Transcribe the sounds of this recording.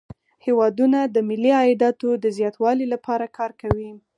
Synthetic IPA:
hewɑd̪unad̪əmɪlːiɑɪd̪ɑt̪od̪əzjɑt̪wɑlilapʰɑɾakʰɑɾkawi

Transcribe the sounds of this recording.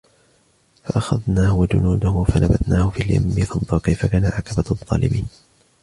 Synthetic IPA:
faʔaxaðnaːhʊwad͡ʒʊ̰nuːd̪ʊhʊfanabad̪naːhʊfiːlja̰mːiθɨnd̪ˤɑːkajfakaːnaʕakabaðˤːɑ̰ːlɪ̰miːn

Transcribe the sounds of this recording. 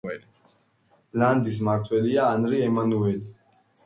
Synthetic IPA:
land̪is̬maɾt̪ʰwɛliaːnɾiɛmanuɛli

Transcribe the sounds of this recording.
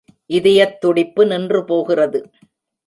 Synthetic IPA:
ʔɪðɪjɐt̪ːʊɽɪpːɯnɪndrɯpoːɣɪrɐðɯ

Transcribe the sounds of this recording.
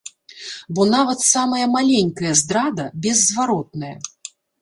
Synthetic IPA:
bɔnavɐt̪samɐjɐmalʲenʲkɐjɐzd̪ɾad̪ɐbʲɛzːvaɾɔt̪̚nɐjɐ̰

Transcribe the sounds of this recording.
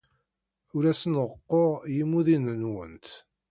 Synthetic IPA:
ʊɾæsənʁəqːoʁjimːuðinənwə̰nt̪

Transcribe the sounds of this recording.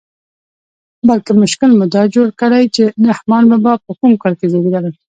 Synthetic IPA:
balkemʊʃkɪlmʊd̪ɑd͡ʒoɽkəɽajt͡ʃenahmɑnmabɑpəkumkɑlkezabilaləl

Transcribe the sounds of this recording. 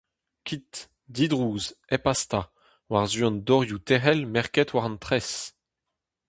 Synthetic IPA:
kʲʰit̪ | d̪id̪ʁuːzepast̪a | waʁzyɔ̃nd̪ɔʁjut̪ɛʁɛlmɛʁkɛt̪waʁɑ̃nt̪χɛs

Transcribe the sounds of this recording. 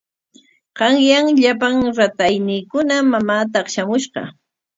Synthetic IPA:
ɢ̥ɑŋjaŋʎapaŋɾat̪ajnɪːkʊnamamaːt̪̬ɑχʃamʊʃɢɑ̰

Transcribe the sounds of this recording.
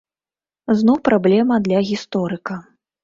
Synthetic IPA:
znɔwpɾablʲɛmɐd̪lʲɐɣʲist̪ɔɾɨkɐ

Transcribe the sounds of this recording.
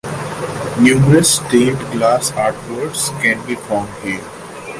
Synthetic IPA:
njuːməɾəsːʈeːʈɡlaːsaːʈʋəɾɖskɛ̃nbiːfɔːmɖhiəɾ

